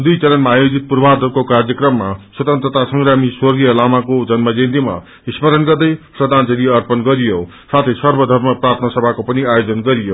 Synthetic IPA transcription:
d̪ujt͡sʌlʌnmaːjod͡zit̪̚purbʱad̪ʱʌrkokard͡zjʌkrʌmːaswʌt̪ʌnt̪rʌt̪asʌŋramiswʌrɡijʌlamakod͡zʌnmʌd͡zend̪ima̰ | ismʌɾʌnɡʌrd̪ʌjprʌd̪ʱand͡zʌɾiʌrpʌnɡʌɾijo | sat̪ʰʌjsʌrbʌd̪ʱʌrmʌprat̪ʰnʌsʌbʱakopʌniajod͡zʌnɡʌɾijo

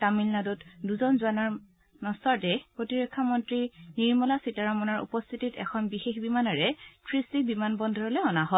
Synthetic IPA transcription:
tamilnadɔtduzɔnzuanaɹ | nɔsɔɹtɛpɹotiɹɔkʰːamɔntɹiniɹmɔlasitaɹamɔnaɹṵpɔst̪ʰititɛ̰kʰɔnbixexbimanaɹɛkʰɹistibimanbɔndʱɔɹɔlɛɔnaɦɔ

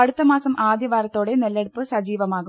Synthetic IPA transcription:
ɐɽut̪ːɐmaːsɐmʔaːd̪jɐʋaːɾɐt̪ːo̞ːɽenɐlːeɽupːɨsɐd͡ʑiːʋɐmaːɣu

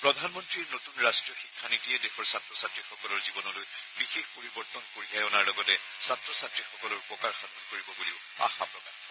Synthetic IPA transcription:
pɹɔdʱanmɔntɹiɹnotunɹastɹiɔxikʰːanitiɛdexʰɔɹsatɹɔsatɹixɔkɔlɔɹzibɔnɔloj | bixexpoɹibɔɹtɔnkoɹiajɔnaɹlɔɡɔtɛ | satɹɔsatɹixɔkɔlɔɹpɔkaɹxadʰʱɔnkoɹibɔboliʊ | a̰xapɹɔkaɹ

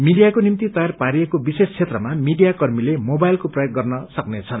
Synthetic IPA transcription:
miɖijakonimt̪it̪ʌjarpaɾijekobisest͡sʰet̪rʌmamiɖijakʌrmilemobajlkoprʌjok̚ɡʌrnʌsʌknet͡sʰʌn

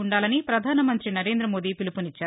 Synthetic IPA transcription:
uɳɖaːlɐnipɾɐd̪ʱaːnɐmɐnt̪ɾinɐɾe̞ːnd̪ɾɐmo̞ːd̪iːpilipunit͡ʃːaː

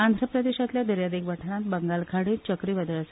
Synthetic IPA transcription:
and̪ʱɾəpɾəd̪eɕat̪ljad̪əɾjad̪ikʋəʈʰəɾãnt̪bəŋɡalkʰaɽiːt͡ɕəkɾiːʋəd̪əɭs

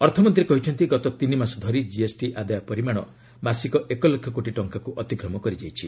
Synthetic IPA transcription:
ɔɾt̪ʰɔmɔnt̪ɾiekɔɦit͡ʃʰɔnt̪iɡɔt̪ɔt̪inimasɔd̪ʱɔɾid͡ʒiesʈiʔad̪ajɔpɔɾimaɽ̃ɔ | masikɔʔekɔlekʰːɔkoʈiʈɔŋkakuʔɔt̪iɡɾɔmɔkɔɾid͡ʒajt͡ʃʰi

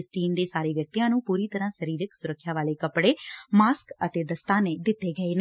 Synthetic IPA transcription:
sʈiːnd̪eːsaːɾeːʋjək̚t̪ijãːnũːpuːɾiːt̪əɾãːsəɾiːɾɪksʊɾəkʰːjaːʋaːleːkəpɽeːmaːskət̪eːd̪əst̪aːneːd̪ɪt̪ːeːɡəeːne

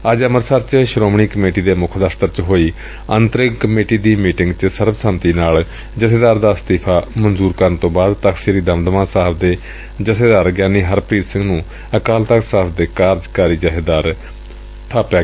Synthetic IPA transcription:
əd͡ʒəməɾsəɾt͡ʃʃɾoːmɳiːkəmeːʈiːd̪eːmʊkʰd̪aːft̪əɾt͡ʃɦoːiː | ənt̪əɾɪkkəmeːʈiːd̪iːmiːʈɪŋɡt͡ʃsəɾbsəmt̪iːnaːl | d͡ʒəseːd̪aːɾd̪aːst̪iːpʰaːmənzuːɾkəɾənt̪õːbaːd̪t̪əkʰsiːɾiːd̪əmd̪əmãːsaːɦbʰd̪eː | d͡ʒəseːd̪aːɾɡjaːniːɦəɾpɾiːt̪sɪ̃ŋɡnũː | əkaːlt̪əksaːpʰd̪eːkaːɾd͡ʒkaːɾiːd͡ʒaːɦɪd̪aːɾ | t̪ʰaːpjaː

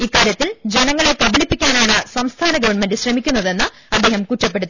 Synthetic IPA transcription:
ikːaːɾjɐt̪ːild͡ʑe̞nɐŋːɐɭekɐbilipːikʲːaːnaːɳɨsɐmst̪ʰaːnɐɡɐʋɐɳme̞ndɨɕrɐmikʲːunːɐðe̞nːɨ | ɐd̪ːe̞ːhɐmkutːɐpːe̞ɽut̪ːi

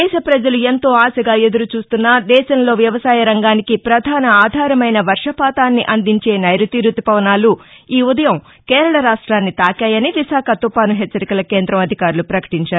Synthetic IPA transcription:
ɛːʃɐpɾɐd͡ʒɐluent̪o̞ːaːsɐɡaːe̞d̪uɾut͡ʃuːst̪unːad̪ɛːʃɐnlo̞ːʋjɐʋɐsaːjɐɾɐŋɡaːnikipɾɐd̪ʱaːnɐaːd̪ʱaːɾɐmɐjnɐʋɐɾʂɐpaːt̪aːnːiʔɐnd̪iɲt͡ʃe̞ːnɐjɾut̪iɾut̪ipɐʋɐnaːluiːud̪ɐjɐm | keːɾɐɭɐɾaːʂʈɾaːnːit̪aːkaːjɐniʋiʃaːkʰɐt̪upaːnuɦɛt͡ʃːɐɾikɐlɐkeːnd̪ɾɐmɐd̪ʱikaːɾulupɾɐkɐ̥ʈiɲt͡ʃaːɾ

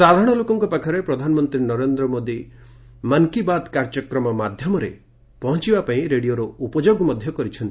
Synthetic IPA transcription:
sad̪ʱaɾɽ̃ɔlokɔŋkɔpakʰɔɾepɾɔd̪ʱanɔmɔnt̪ɾinɔɾend̪ɾɔmod̪i | maŋkibad̪kaɾd͡ʒɔkɾɔmɔmad̪ʱjɔmɔɾḛ | pɔɦɔ̃t͡ʃibapaĩɾeɽijoɾɔupɔd͡ʒoɡmɔd̪ʱjɔkɔɾit͡ʃʰɔnt̪i

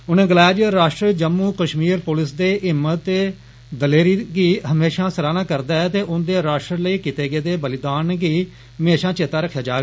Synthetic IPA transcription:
ʊnẽːɡəlaːjad͡ʒɾaːʃʈɾəd͡ʒəmːuːkəʃmiːɾpʊlɪsd̪eːʔɪmːət̪eː | d̪əleːɾiːɡiːɦəmeːʃãːsəɾaːnaːkəɾd̪aːɛt̪eːʔʊnd̪eːɾaːʃʈɾələiːkɪt̪eːɡeːd̪eːbəlɪd̪aːnɡiː | ɦəmeːʃãːt͡ʃeːt̪aːɾəkʰːjaːd͡ʒaːɡ

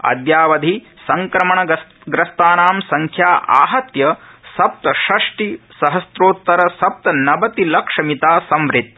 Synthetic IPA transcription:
ɐ̰d̪jaːʋɐd̪ʱi | sɐŋkɾɐmɐɳɐ | ɡɾɐst̪aːnaːmsɐŋkʰjaːʔa̰ːɦɐt̪jɐsɐp̚t̪ɐʃɐʂʈisɐɦɐsɾoːt̪ːɐɾɐsɐp̚t̪ɐnɐbɐt̪ilɐkʂɐmit̪aːsɐmʋɾit̪̚

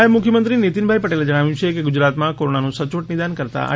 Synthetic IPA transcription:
emʊkʰjəmənt̪ɾinet̪inbʱaipəʈeled͡ʒəɽ̃aʋjũt͡ʃʰekeɡʊd͡ʒɾaːt̪mãkoɾonanũsət͡ʃʋəʈnɪd̪ankəɾt̪a̰ʔa̰

